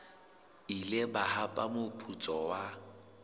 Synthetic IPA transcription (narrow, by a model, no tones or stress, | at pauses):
ilɪbahapʼamʊpʼut͡sʼɔwa